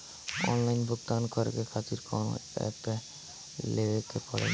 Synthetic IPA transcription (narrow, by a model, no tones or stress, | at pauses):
ɔ̰nlajnbʱok̚t̪aankɔɾḛkekʰat̪iɾkɔno̰ɛ̰pe | lebekepɔɽḛ